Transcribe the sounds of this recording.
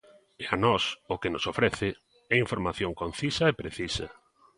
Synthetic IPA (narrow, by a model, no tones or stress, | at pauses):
eanɔsʊkenosofɾɛθɪ | ɛiɱfoɾmaθjoŋkon̟θisɐepɾeθisɐ